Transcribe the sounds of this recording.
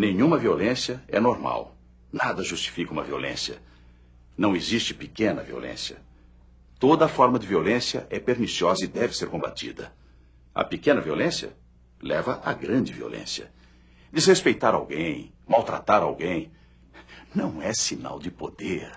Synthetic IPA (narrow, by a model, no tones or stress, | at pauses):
nẽɲũmɐviolẽsjɐɛnoɾma̰w | nad̪ɐʒust͡ʃi̥fikɐũmɐviolḛ̃sjɐ̰ | nɐ̃w̃ezist͡ʃɪ̥pikẽnɐ̰vio̰lʔḛ̃sjɐ̰ | t̪od̪ɐːfɔɾmɐd͡ʒɪviolẽsjɐ̰ʔɛpeɾnisiɔzɐid̪ɛvɪseɾkõmba̰t̪ḭd̪ɐ̰ | ɐ̰pikẽnɐviolẽsjɐ̰ | lɛvɐʔɐɡɾɐ̃d͡ʒɪvio̰lʔḛ̃sjɐ̰ | d̪ɪzhespejt̪aɾawɡẽj̃ | mawt̪ɾa̰t̪aɾa̰wɡẽj̃ | nɐ̃w̃ɛsina̰wd͡ʒɪpod̪eɾ